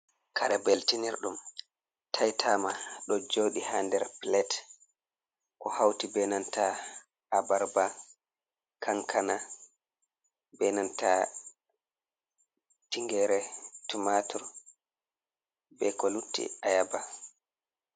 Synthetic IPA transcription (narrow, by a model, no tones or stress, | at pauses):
kʰaɾɛbɛltiniɾɗum | tʰajtʰaːmaɗɔd͡ʒoːɗihandɛɾplɛt | kɔhawtibɛnanta | abaɾba | kʰaŋkʰana | bɛnanta | tiŋɡɛɾɛtumatʰuɾ | bɛkɔlutːḭajaba